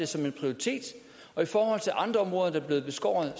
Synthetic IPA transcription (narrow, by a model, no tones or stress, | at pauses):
e̝sɒ̽me̝npʰʁioʁit͡sʰe̝̰ːd̥ | ɒ̽ifɒːhɒ̽l̰t͡sʰe̝lʔɑ̈nd̥ʁɐɒ̽mʁɔ̽ːðˠɐd̥ɑb̥le̝ːð̞̩ˠb̥e̝sɡ̥ɒ̰ːðˠ